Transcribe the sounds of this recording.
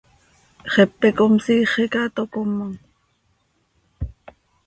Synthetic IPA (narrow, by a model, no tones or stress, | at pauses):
χepːekomsiːχikɑt̪okomːaŋ